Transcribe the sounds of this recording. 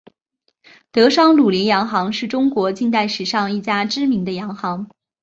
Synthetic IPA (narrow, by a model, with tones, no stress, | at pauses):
t̪ɤ˧˥ʂɑ˥ŋlu˨˩li˧˥njɑ˧˥ŋxɑ˧˥ŋʂɻ̩˥˩ʈ͡ʂʊ˥ŋkwɔ˧˥t͡ɕi˥˧nt̪a˥˩ɪʂɻ̩˨˩ʂɑ˥˧ŋi˥˩t͡ɕja˥ʈ͡ʂɻ̩˥mi˧˥ŋd̪ə˧jɑ˧˥ŋxɑ˧˥ŋ